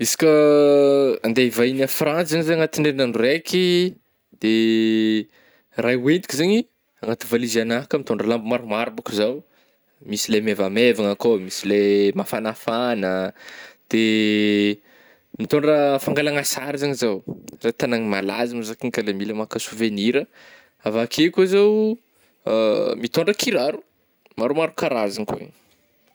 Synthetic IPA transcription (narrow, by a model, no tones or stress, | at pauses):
isi̥kʲə | and̪eivainafrant͡szaɲizeaŋat̪iɳɖ͡ʐeinanɖ͡ʐurekʰi | d̪̥e | rajwend̪i̥kʲizeɲi | aŋɡat̪ivalizanaɦkəmit̪oɳɖ͡ʐəlambumaɾumaɾbakizaw | misilemevamevaŋəkomisilemafanafanəd̪̥e | mit̪oɳɖ͡ʐəfaŋɡalaŋasaɾizaɲizawret̪anaŋimalazamzakiŋkalemiləmakəsuveniɾə | avakʰekuzaw | mit̪oɳɖ͡ʐəkiɾaɾu̥ | maɾumaɾukaɾazaŋkuḛɲ̥